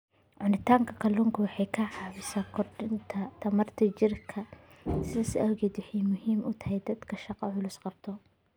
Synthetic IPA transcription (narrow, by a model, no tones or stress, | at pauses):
ʕʊnɪt̪ʰaːŋkʰɐkʰɐluːŋkʰɐwɑħɑjkʰɐʕɑːβɪsaːkʰɔrɖɪnt̪ʰɐt̪ʰɐmɐrt̪ʰɐt͡ʃɪrkʰɐsɪðɐsɪʔɐwɣɛːd̪wɪħɛjmʊɦiːmʔʊt̪ʰɐ̥ɦɛjd̪ɐd̪kʰɐʃɑqɑʕʊlʊsqɑbt̪ʰɔ